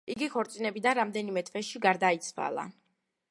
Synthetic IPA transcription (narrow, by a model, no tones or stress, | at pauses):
iɡikɔɾt̪sʼinɛbid̪anɾamd̪ɛnimɛt̪ʰvɛʃiɡaɾd̪ait̪sʰva̰lˠa̰